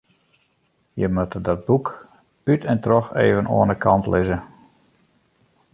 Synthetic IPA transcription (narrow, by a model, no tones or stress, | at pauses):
jəmatədɔt̚buk | pytʰɛntrɔxḛːvənʔo̰ənəkʰɑntlɪzə